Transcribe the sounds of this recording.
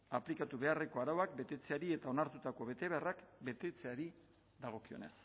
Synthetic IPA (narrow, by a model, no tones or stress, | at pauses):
aplikat̪uβe̞are̞ko̞aɾawak̚be̞t̪e̞t͡se̞aɾie̞t̪ao̞naɾt̪ut̪ako̞βe̞t̪e̞βearakbe̞t̪e̞t͡se̞aɾi | ðaɣ̞o̞kio̞̰ne̞̰s